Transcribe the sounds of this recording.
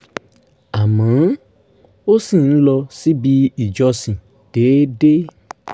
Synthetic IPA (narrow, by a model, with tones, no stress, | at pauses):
a˨mã˨˦ | o˦si˦˨n̩˦lɔ˧si˦bi˧i˨d͡ʒɔ˧sĩ˨ | d̥e˨˦de˦